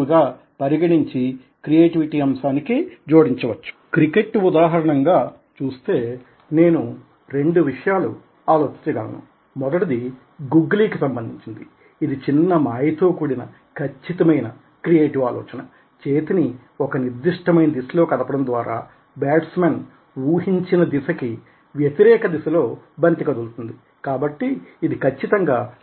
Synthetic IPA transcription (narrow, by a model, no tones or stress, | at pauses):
ɡaː | pɐɾiɡɐɽiɲt͡ʃi | kɾije̞ːʈiʋiʈiːɐmsaːnikid͡ʒoːɽiɲt͡ʃɐʋɐt͡ʃːu̥kɾike̞ʈːud̪aːɦɐɾɐɳɐŋɡaː | t͡ʃuːst̪e̞ː | ne̞ːnu | ɾe̞ɳɖuʋiʂɐjaːlṵ | aːlo̞ːt͡ʃi̥ɲt͡ʃɐɡɐlɐ̰nṵ | mɔd̪ɐʈɐd̪i | ɡuɡliːkisɐmbɐnd̪ʱiɲt͡ʃind̪iː | d̪it͡ʃinːɐmaːjit̪oːkuːɽinɐ | kʰɐt͡ʃːit̪ɐmɐjnɐ | kɾijeːʈiʋaːlɔ̰ːt͡ʃɐnɐ | t͡ʃe̞ːt̪ini | ɔkɐniɾd̪iʂʈɐmɐjnɐd̪isɐlo̞ːkɐd̪ɐpɐɽɐnd̪ʋaːɾa̰ː | baːɖsmen | ʋuːɦiɲt͡ʃinɐd̪isɐki | ʋjɐt̪iɾɛːkɐd̪isɐlo̞ːbɐnt̪ikɐd̪ult̪und̪i | kaːbɐʈːiːd̪ikʰɐt͡ʃːit̪ɐŋɡaː